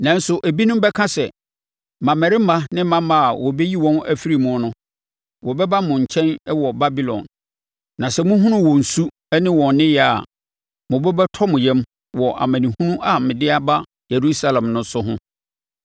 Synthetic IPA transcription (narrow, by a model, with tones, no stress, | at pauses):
nã˨n̩˦sʊ˨ʔæ˨bi˦nʊ̃˦m˦bɛ˦kʰã˦sɛ˨ | mã˨mɛ˨ɾɪ˦mã˦nɪ̃˦m˦mã˦mã˨wɔ˨bɛ˦ji˦wɔ̃˦næ˨fi˦ɾi˨mʊ̃˨˦nʊ̃˦ | wɔ˨bɛ˦ba˦mʊ̃˨ɲ̩˨t͡ɕʰɛ̃˦nɛ˦wɔ˨ba˦bi˦lɔ̰̃˨nː | ã˨sɛ˦mʊ̃˦ɦʊ̃˦nʊ̃˦wɔ˨n̩˨su˦ | ɛ˦nɪ̃˦wɔ̃˨nnɪ̃˦jɛ˨a̰˨ | mʊ̃˨bɛ˦bɛ˦tʰɔ˦mʊ̃˨jɛ̃˦m | wɔ˨ʔa̰˨mæ̃˨nĩ˨hũ˦nʊ̃˦ʔa˨mɪ̃˨dɪ˦a˦ba˦ | je˨ɾu˦sa˦lã˨mnʊ̃˦sʊ˦ɦʊ̃˦